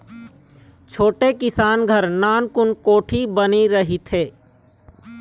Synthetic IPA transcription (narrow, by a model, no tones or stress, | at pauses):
t͡ʃʰoːʈekɪsaːnɡʱəɾnaːnkʊnkoːʈʰibəniɾɐɦit̪ʰeː